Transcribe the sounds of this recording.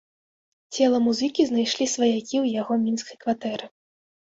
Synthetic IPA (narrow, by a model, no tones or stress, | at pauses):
t͡sʲɛlˠɐmuzɨkʲiznajʂlʲisvɐjakʲiwjaɣɔmʲinskɐjkvat̪ɛɾɨ